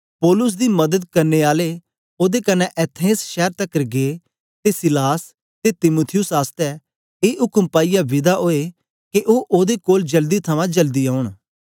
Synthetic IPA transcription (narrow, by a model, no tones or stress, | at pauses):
pɔːlʊs̬d̪imɐd̪əd̪̚kɐɾneaːle | oːd̪ekɐnɛʔɛt̪ʰẽːsʃɛːɾt̪ɐkːɾɡe | t̪esɪlaːs | t̪et̪ɪmuːt̪ʰɪjʊsaːst̪ɛ | eːɦʊkəmpaːijabɪd̪aʔoːe | keʔoːʔoːd̪ekoːld͡ʒɐld̪it̪ʰɐmãd͡ʒɐld̪iaːʊɳ̃